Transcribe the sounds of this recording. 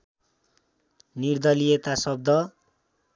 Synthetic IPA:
nird̪ʌlijet̪asʌb̚d̪ʌ

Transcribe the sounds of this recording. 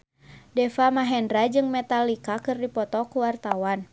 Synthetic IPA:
dɛfamaɦɛndɾad͡ʒɨŋmɛt̪alikakɨrdipɔt̪ɔkuwart̪awan

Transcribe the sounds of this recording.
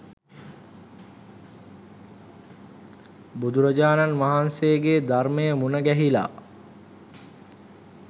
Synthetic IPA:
bud̪uɾəd͡ʒaːnanʋaɦansejəɡeːd̪arməjəmunəɡæɦila̰ː

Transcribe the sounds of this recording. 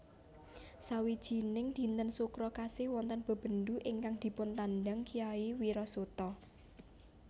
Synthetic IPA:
sawid̥ʒ̥i̤nɪŋd̪̥i̤nt̪ənsukɾɔkasɪhwɔnt̪ənb̥ə̤b̥ə̤nd̪uʔɪŋkaŋd̪̥i̤pʊnt̪andaŋkijaiwiɾɔsut̪ɔ

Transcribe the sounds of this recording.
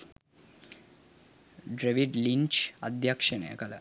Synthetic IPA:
ɖɾeʋiɖlint͡ʃad̪ʱjakʂənə̰jə̰kɐlə̰

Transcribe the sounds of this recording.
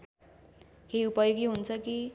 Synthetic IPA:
kʰejupʌjoɡiɦunt͡sʰʌki

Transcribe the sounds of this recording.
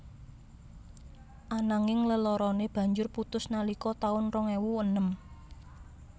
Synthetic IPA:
ʔanaŋɪŋləlɔɾɔneb̥ä̤ɲd͡ʒʊrput̪ʊsnalikɔt̪aʊnrɔŋewuwənəm

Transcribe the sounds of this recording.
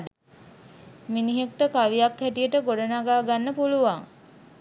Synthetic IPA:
miniɦek̚ʈəkaʋijakhɛʈijəʈəɡoɖənaɡaːɡanːəpuluʋaŋ

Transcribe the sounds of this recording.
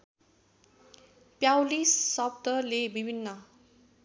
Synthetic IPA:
pjawlisʌbt̪ʌlebibʱinːʌ

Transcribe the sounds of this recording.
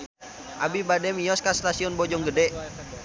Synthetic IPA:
ʔabibadɛmijɔskast̪asiɔnbɔd͡ʒɔŋɡədɛ

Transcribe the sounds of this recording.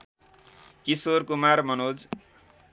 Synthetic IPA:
kisorkumarmʌnod͡z

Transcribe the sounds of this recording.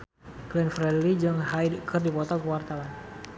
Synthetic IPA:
klɛnfɾɛdlid͡ʒəŋɦajkʰərdipɔt̪ɔkəwart̪awan

